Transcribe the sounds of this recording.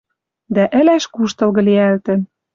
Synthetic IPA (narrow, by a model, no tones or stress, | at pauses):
d̪æʔɘ̆læʃkuʃt̪ɤ̆lɣɤ̆liælt̪ɘ̆n